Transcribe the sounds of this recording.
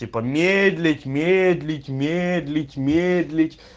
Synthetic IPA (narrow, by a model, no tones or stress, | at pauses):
ipəmʲed̪ʲlʲɪtʲmʲed̪ʲlʲɪtʲmʲed̪ʲlʲɪtʲmʲed̪lʲɪtʲ